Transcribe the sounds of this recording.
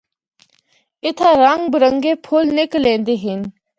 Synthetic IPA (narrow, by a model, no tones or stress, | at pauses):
ɪt̪ʰaːɾəŋɡbəɾə̃ŋɡeːpʰʊlnɪklẽːnd̪eːɦɪn